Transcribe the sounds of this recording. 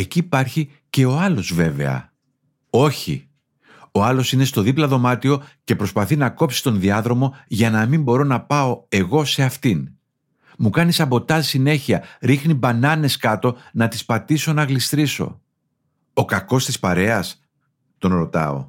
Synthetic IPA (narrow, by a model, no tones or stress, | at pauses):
e̞ciːpɐɾçi | ce̞o̞ɐlo̞zve̞ve̞̰ɐ̰ | o̞çḭ | o̞ɐlo̞sine̞st̪o̞ðiplɐðo̞mɐt̪io̞ce̞pɾo̞spɐθinɐko̞psi̥t̪o̞nðiɐðɾo̞mo̞ʝɐnɐmimbo̞ɾo̞nɐpɐo̞e̞ɣo̞se̞ɐft̪in | mukɐnisɐpo̞t̪ɐsine̞çiɐɾixnibɐnɐne̞skɐt̪o̞nɐt̪ispɐt̪iso̞nɐɣlist̪ɾiso̞̰ | okɐko̞st̪ispɐɾe̞ɐs | t̪o̞nɾo̞t̪ɐ̰o̞̰